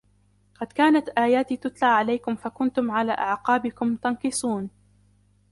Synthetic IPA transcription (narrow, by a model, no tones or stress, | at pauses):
qɑd̪kaːnat̪ʔaːjaːt̪iːt̪ʊt̪laʕʕalajkʊmfakʊnt̪ʊmʕalaːʔaʕqɑːbɪkʊmt̪ɑnqɨsˤuːn